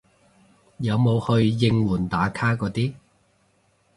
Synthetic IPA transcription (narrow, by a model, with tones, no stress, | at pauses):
jɐ˨˧wmo˨˧whɵ˧ɥjɪ˧ŋwuː˨˩nt̪aː˨˥kʰaː˥kɔː˨˧t̪iː˥